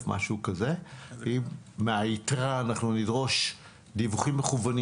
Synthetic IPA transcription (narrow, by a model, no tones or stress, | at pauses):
fmʔa̰ʃukazeiːeaitʁaːnaχnunidʁo̞ʃ | divuχimːeχuvan